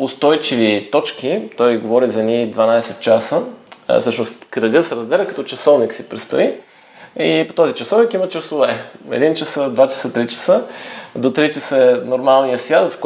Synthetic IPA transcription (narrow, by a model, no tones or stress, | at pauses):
ʊst̪ɔjt͡ʃivit̪ɔt͡ʃk̟it̪ɔjɡovɔɾizɐnid̪vɐnajsɛt̪̚t͡ʃasə̰fsɤʃnʊst̪kɾəɡɤsɛɾɐzd̪ɛlʲəkɐt̪ɔt͡ʃɐsɔvniksipɾɛt̪st̪ɐi | ipot̪ɔzit͡ʃɐsɔvnikimɐt͡ʃɐsʊvɛɛ̰d̪int͡ʃɐsəd̪vat͡ʃɐ̥sət̪ɾit͡ʃə̥səd̪ot̪ɾit͡ʃəsəɛnoɾmalˠnijəsvʲjat̪vfk